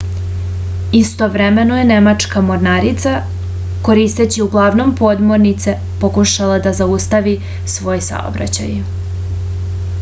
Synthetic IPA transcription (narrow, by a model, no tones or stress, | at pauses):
ist̪o̞ʋɾeme̞noje̞ne̞mat͡ʂkamo̞ɾnaɾit̪sa | ko̞ɾist̪et͡ɕiuɡlˠaːʋno̞mpo̞d̪moɾnit̪se̞ | pokuʃalad̪azaust̪aʋi | sʋo̞ːjsa̰o̰bɾa̰t͡ɕa̰j